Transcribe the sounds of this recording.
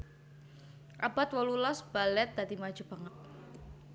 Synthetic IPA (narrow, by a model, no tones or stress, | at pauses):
ʔabat̪wɔlulɔsb̥alɛt̪̚d̪ad̪imḁd͡ʒ̥ṳb̥aŋat̪̚